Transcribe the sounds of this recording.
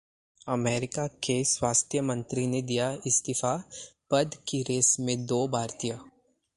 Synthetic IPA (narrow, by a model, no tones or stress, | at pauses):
ɐmeːɾɪkakeswaːst̪ʰjəmɐ̃nt̪ɾined̪ijaɪst̪ɪfapɐd̪kiɾeːsmẽd̪oːbʱaːɾt̪ijə